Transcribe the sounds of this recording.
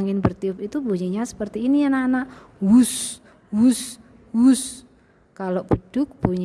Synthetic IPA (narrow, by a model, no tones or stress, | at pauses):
ŋɪnbərt̪iʊpit̪uboɲiɲasə̥pərt̪iːnijananaʔ | wus | wus | wus | kaloʔb̥əd̥ʊk̚b̥uɲ